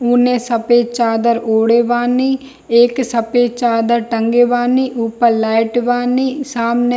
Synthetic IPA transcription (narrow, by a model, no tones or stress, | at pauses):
uːnẽːsəpeːt͡ʃaːd̪əɾoːɽeːʋaːniː | eːksəpeːt͡ʃaːd̪əɾʈəŋɡeːʋaːniːʔʊpːəɾlaːɪʈʋaːniːsaːmne